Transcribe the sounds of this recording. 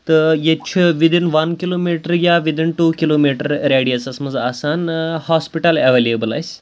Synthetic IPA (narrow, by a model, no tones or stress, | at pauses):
t̪əjet͡ɕʰiʋid̪inʋɐnkilomiʈəɾjaʋid̪inʈukilomiʈəɾɾeɽiəsasməd͡zasanhɔspiʈəlɛʋeliebəla̰js